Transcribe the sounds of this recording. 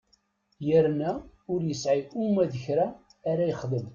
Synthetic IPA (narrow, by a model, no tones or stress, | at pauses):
jəɾnæ | ʊɾjəsʕiʔumæðəçɾaː | ɾajəχðəm